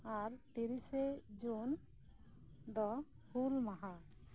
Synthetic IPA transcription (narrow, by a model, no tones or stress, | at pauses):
aɾt̪iɾised͡ʒun | d̪ɔ | hulmaɦa